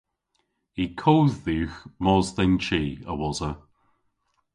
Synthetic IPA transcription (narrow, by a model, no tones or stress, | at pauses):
ikʰowðːiːxmɔːzðɛnt͡ʃiːəwɔzə